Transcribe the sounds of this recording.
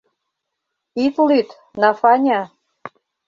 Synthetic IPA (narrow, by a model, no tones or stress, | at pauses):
it̪lyt̪ | nɑfɑnʲɑ